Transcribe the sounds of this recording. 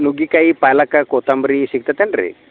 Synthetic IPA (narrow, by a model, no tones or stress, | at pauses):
nuɡikaipajlakakot̪ambɾisik̚t̪at̪enɾḛ